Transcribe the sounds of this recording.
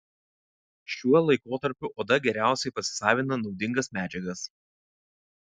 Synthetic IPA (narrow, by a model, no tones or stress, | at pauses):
ʃʲuɔlˠɐɪkoːt̪ɐɾʲpʲʊʔoːd̪ɐɡʲɛɾʲæˑʊsʲɛɪpɐsʲɪ̥sɑːʋʲɪnɐnɒʊd̪ʲɪŋɡɐsmʲæːd͡ʒʲɛɡɐs